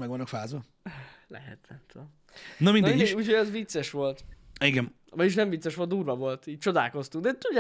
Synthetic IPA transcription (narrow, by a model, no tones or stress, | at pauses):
mɛɡvɒnːokfaːzʋɒ | lɛ̰ɦɛ̰t̪ɛnt̪oː | nɒminɛuːcʰhojɛzvit̪sːɛʃʋo̞lt̪iɡɛn | mɒjiʃ̬nɛɱvit̪sɛʃʋo̞lt̪d̪uːrvɒvo̞lt̪iːc̚t͡ʃo̞d̪a̰ːlko̞st̪uŋɡd̪ɛt̪uɟa